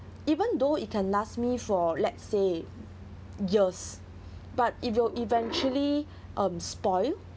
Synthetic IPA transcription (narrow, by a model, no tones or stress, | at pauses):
ivə̃ndoit̚kʰɛ̃nlasmifɔlɛt̚se | jis | bat̚it̚wilʔivɛ̃nt͡ʃuəli | ʔʌ̃mspɔɪl